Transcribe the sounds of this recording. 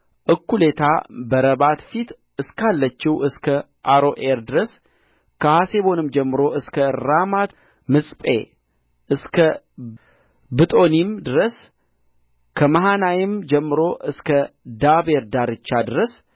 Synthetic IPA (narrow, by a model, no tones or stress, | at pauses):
ʔɨkːule̞t̪ʰa̰bəɾəβat̪fit̪ | ɨskʰalːət͡ʃːiwɨskʰə | ʔaɾo̞ʔeɾd̪ɨɾəs | kʰəhase̞βo̞nɨmd͡ʒɛmːɨɾo̞ʔɨskʰəɾamat̪ | mɨsʼpʼe̞ | ʔɨskʰə | bɨt̪ʼo̞nimd̪ɨɾəs | kʰəmaɦanajɪmd͡ʒɛmːɨɾo̞ʔɨskʰəd̪aβe̞ɾd̪aɾɨt͡ʃːad̪ɨɾəs